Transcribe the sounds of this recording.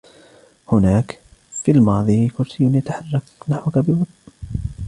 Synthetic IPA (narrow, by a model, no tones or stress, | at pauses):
hʊnaːkfiːlmɑːðˤiːkʊɾsɪjːʊnjat̪aħɑrˤːɑknaħwakabɪwɑt̪ˤn